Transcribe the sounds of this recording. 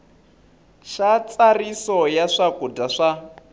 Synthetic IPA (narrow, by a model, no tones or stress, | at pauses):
ʃat͡sarisɔjaʂakudaʂa